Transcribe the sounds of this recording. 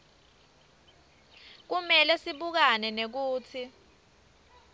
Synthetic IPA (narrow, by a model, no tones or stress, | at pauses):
k̬umɛlɛsiɓuk̬anɛnek̬uːt͡sʰi